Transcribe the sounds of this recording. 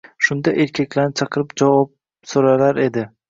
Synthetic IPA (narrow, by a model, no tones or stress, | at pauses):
ʃʊnd̪aʔeɾkʲʰakʲlaɾnɪt͡ʃʰɑqɨɾɪpd͡ʒavɒp̚ | soɾalaɾe̞d̪ɪ